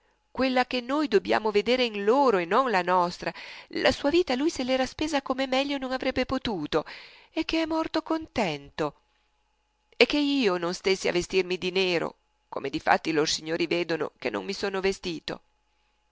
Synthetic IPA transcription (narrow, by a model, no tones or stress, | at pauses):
kwelːak̟enːoːjd̪obja̰ːmoved̪eːɾeinloːɾoenːonlanɔst̪ɾala̰suːaviːt̪alujselɛːɾaspeːzakomemɛʎːononavɾɛbːepot̪uːt̪o | ek̟ːeɛmːɔrt̪okont̪ɛnt̪o | ek̟ːeiːononst̪esːia̰vest̪irmid̪ineːɾo̰ | ko̰med̪ifa̰t̪ːiloɾsiɲːoːɾiveːd̪ono̰kenːʔo̰ŋmisoːnovest̪iːt̪o̰